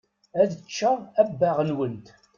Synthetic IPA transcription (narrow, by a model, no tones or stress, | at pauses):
æðət͡ʃːəæbːaʁnwənt̪